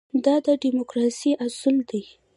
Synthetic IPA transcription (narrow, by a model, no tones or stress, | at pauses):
d̪ɑd̪əɖimokɾɑsiʔasʊld̪aj